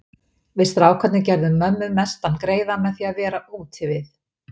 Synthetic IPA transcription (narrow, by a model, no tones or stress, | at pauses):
vɪðst̪ɾaːwkʰvɛt̪nɪcɛɾðʏmːœmːʏðmɛst̪ankɾeːjðamːɛθiaðvɛːɾaʔuːt̪ʰɪvɪθ